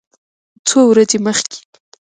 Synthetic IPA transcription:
t͡sowɾazeməxkʲe̥

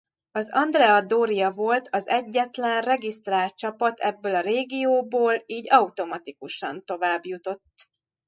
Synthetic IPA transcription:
ɒzɒnd̪rɛɒd̪oːɾijɒvo̞lt̪ʰɒzɛɟːɛt̪lɛnrɛɡist̪raːlt̪̚t͡ʃɒpɒt̪ʰɛbːøːlɒɾeːɡijoːboːliːɟɒut̪o̞mɒt̪ikuʃɒ̰nt̪o̞vaːbjut̪o̞t̪ː

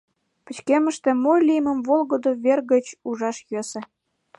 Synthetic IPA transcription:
pə̆t͡ɕkemə̆ʃt̪ĕmojlʲijmə̆mvolɣod̪oβerɣə̆t͡ɕuʒɑʃjøsə̆

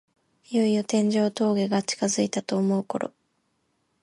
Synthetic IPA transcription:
ijo̞ijot̪ẽ̞ɲ̟d͡ʑo̞ːt̪o̞ːɡe̞ɡat͡ɕi̥kazɨit̪at̪o̞ːmo̞ɯ̟ko̞ɾo̞̰

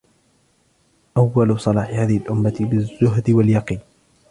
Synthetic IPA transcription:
ʔawːalʊsˤɑlɑːħɪhaːðɪhɪlʔʊmːaɪbɪzːʊɦd̪ɪwaljɑqiːn

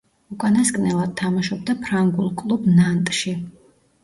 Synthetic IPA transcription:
ukʼanaskʼnɛlˠad̪̥̚t̪ʰamaʃɔb̚d̪apʰɾaŋɡulˠkʼlˠubnant̪ʼʃi

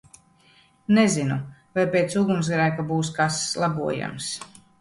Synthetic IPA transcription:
nɛzinuvajpeːt̪suɡums̬ɡɾaːkabuːskaslˠabuɔja̰ms

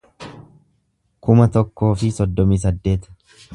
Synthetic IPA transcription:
kʊmɐt̪ɔkːo̞ːfɪsɔd̪ːɔmiːs̬ɐd̪ːe̞ːt̪ɐ̥

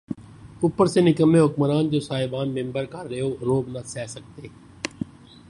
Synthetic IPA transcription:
upːəɾsenɪkəmẽɦʊkməɾaːnd͡ʒoːsaːɦɪbaːnmẽmbəɾkaɾeoɾoːbnasɛːsək̚t̪eː

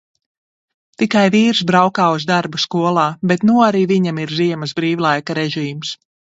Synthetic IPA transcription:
t̪ikajviːɾsbɾawkaːuzd̪aɾbuskuɔlˠaːbɛt̪nuaɾiːviɲamiɾziɛmɐzbɾiːwlˠajkaɾɛʒiːms

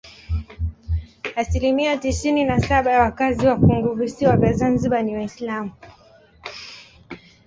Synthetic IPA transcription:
asilimiatisininasaɓajawakaziwakuŋɡuvusiwavjazanziɓaniwaislamu

